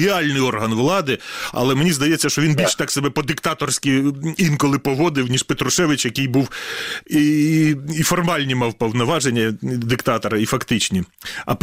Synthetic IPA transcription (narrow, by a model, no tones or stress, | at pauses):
iɑlʲnɪjɔrɦɐnʋlˠɑd̪ɪɐ̰lˠɛmenʲizd̪ɐjɛt͡sʲːɐʃt͡ʃɔʋinbʲilʲʃt̪ɑksebɛpɔd̪ɪkt̪ɑt̪ɔrsʲkʲiinkɔlˠɪpɔʋɔd̪ɪwnʲiʂpet̪ɾʊʃɛʋɪt͡ʃjɐkɪjbuwiː | fɔrmɑlʲnʲimɑwpɔwnɔʋɑʒenʲːɐd̪ɪkt̪ɑt̪ɔɾɐifɐkt̪ɪt͡ʃnʲiɐ̰p